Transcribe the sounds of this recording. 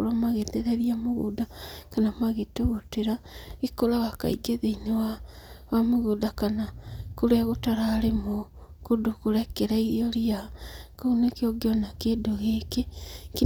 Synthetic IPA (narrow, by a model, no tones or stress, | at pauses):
ɾamaɣeteðeβiamuɣṵdakanamaɣetoɣoteɾaikolawaka̰iɡeðeinewawamuɣudakanakuɾeaɣutaɾaːɾemokudokuɾekeɾaijoɾiakounekioɡjonakedoɣekeki